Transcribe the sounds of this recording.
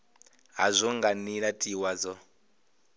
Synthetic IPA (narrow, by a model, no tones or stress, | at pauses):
ɦazʷɔŋɡaniɺatʼiwad͡zɔ